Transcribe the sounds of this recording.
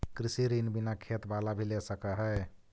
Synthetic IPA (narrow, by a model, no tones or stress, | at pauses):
kɾisiɾinbinakʰet̪balabʱilesəkəɦə